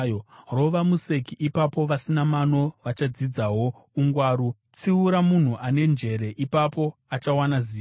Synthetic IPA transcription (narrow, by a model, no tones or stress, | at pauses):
ro̞ʋamuse̞kiʔipapo̞ʋasinamano̞ʋat͡ʃad͡zid͡zaɦo̞ | uŋɡwaːɾu | t͡siuɾamun̤uʔane̞nd͡ʒe̞ɾe̞ʔipapo̞at͡ʃawanaziː